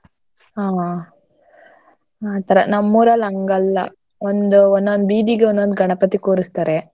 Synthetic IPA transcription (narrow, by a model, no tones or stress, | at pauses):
aː | at̪ɐɾɐ̰nɐmːuɾɐlɐŋɡɐlːɐ̰ | ond̪uond̪ond̪biːɖiɡeond̪ond̪ɡʱɐɳɐpɐt̪ikoːɾist̪aːɾe